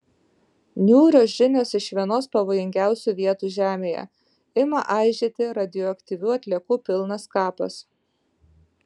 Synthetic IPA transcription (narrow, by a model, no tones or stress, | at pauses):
nʲuːɾʲoːsʒʲɪnʲoːsɪʃʋʲiɛnoːspɐʋoːjɪŋʲɡʲæˑʊsʲuːˑʋʲiɛt̪uːʒʲæːmʲeːjɛ̰ | ɪmɐʔɑˑɪʒʲeːt̪ʲɪɾɐd̪ʲɪjɔɐkt̪ʲɪʋʲuːɐt̪ʲlʲiɛkuːpʲɪlˠnɐskɑːpɐ̰s